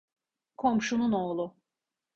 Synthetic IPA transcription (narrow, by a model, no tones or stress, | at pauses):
kʰo̞mʃununoːlˠʊ